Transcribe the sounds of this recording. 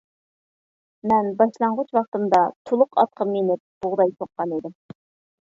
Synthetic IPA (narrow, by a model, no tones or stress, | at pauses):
mɛnbɑʃlˠɑɴʁʊt͡ʃwɑχt̪ɨmd̪ɑt̪ʰolˠʊqɑ̰t̪̚qʰəmːenɪp̚b̥oʁd̪ɑjt̪ʰoqːɑnid̪ɪm